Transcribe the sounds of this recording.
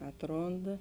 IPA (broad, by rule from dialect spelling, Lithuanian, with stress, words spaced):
ˈɑːtˌroːndɐ